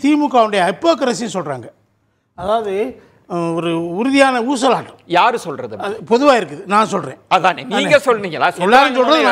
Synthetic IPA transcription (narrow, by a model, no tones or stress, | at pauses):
t̪iːmɯkːaːʋɐɳɖɐjɐɐɪpːoːkɐɾɐs̬ɪnsɔlra̰ːŋɡɐ | ɐðaːʋɐðɯ | ɔɾɯʊɾʊðɪjaːnɐuːs̬ɐlaːʈːɐjaːɾsɔlrɐðɯɐɯpɔðɯʋaːɪɾɯkːɯðɯnãːnsɔlrḛ̃ːɐðaːneniːŋɡɐsɔlːniːŋɡɐlːaːsɛlːaːɾɯns̬ɔlɾɐðɯnãː